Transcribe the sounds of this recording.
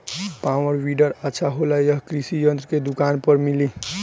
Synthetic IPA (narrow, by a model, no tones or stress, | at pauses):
pawəɾʋiɖəɾətːʃʰaɦolajəɦkɾisijənt̪ɾəked̪ukanpəɾmili